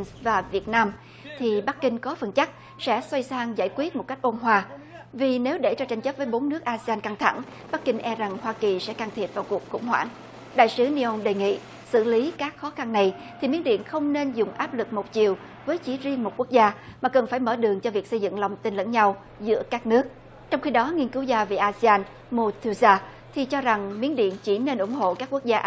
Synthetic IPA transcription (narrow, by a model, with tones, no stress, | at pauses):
nvaː˨˩vi˨˩ət̚naː˧m | t̪ʰi˨˩ɓa˦˥k̚kːï˧ŋ̟kɔ˨˦fə˨˩nt͡ɕa˦˥k̚ | sɛ̰˧˥swa˧jsaː˧ŋza̰ː˧˩jkwi˦˥ət̚mo˨˩t̚ka˦˥k̟ʔo˧nɦwaː˧ | vi˨˩ne˨˦wɗe˧˩t͡ɕɔ˧t͡ɕa˧jŋ̟t͡ɕə˦˥vəː˨˦jɓo˨˦nːɨ˦˥ək̚ʔaː˧se˧aː˧nka˧ŋt̪ʰa̰˧˩ŋ | ɓa˦˥k̚kï˧ŋ̟ʔɛ˧za˨˩ŋhwaː˧ki˨˩sɛ̰˧˥kaː˧ŋt̪ʰi˨˩ət̚vaː˨˩wku˨˩əkxʊ̰˧˥ŋ͡mhwa̰ː˧˩n | ɗa̰ː˧˨jsɨ˨˦ni˧ʔo˧ŋ͡mɗe˨˩ŋḭ˧˨ | sɨ̰˧˩li˨˦kaː˦˥k̚xɔ˨˦xa˧nːa˨˩j | t̪ʰi˨˩mi˨˦ənɗḭ˧˨ənxə˧wŋ͡mne˧nzʊ˨˩ŋ͡mʔaː˦˥p̚lɨ˨˩k̚mo˨˩t̚t͡ɕi˨˩əw | vəː˨˦jt͡ɕi˧˩˦zi˧əŋmo˨˩t̚ku˦˥ək̚zaː˧maː˨˩kə˨˩nfaː˧˩jməː˧˩ɗɨ˨˩əŋt͡ɕɔ˧vi˨˩ək̚sə˧jzɨ̰˧˨ŋla˨˩wŋ͡mt̪i˧nlə̰˧˥nɲa˧w | zɨ̰˧˥əkaː˦˥k̚nɨ˦˥ək̚ | t͡ɕɔ˧wŋ͡mxi˧ɗɔ˨˦ŋi˧ənkɨ˨˦wzaː˧vḭ˨˩ʔaː˧zi˧aː˧n | mo˧t̪ʰu˧zaː˧ | t̪ʰi˨˩t͡ɕɔ˧za˨˩ŋmi˨˦ənɗḭ˧˨ənt͡ɕi˧˩ne˧nʔʊ̰˧˩ŋ͡mɦo̰˧˨kaː˦˥kːu˦˥ək̚zaː˧ʔ